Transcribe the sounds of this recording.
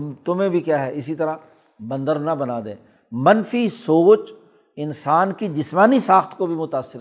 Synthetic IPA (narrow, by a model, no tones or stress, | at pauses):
t̪ʊmẽbʱikjaːɦɛɪsit̪ɐɾa | bɐ̃nd̪əɾnɐbɐnaːd̪ḛ̃ː | mɐnfisoːt͡ʃ | ɪnsaːnkid͡ʒɪsmaːnisaːxt̪ʰkobʱimʊt̪aːsːɪɾɛ